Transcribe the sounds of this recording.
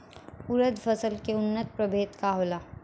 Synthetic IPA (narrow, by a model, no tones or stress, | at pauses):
ʊɾəd̪fʰɐsəlkeʊnːət̪̚pɾɐbʱeːt̪kaɦoːlaː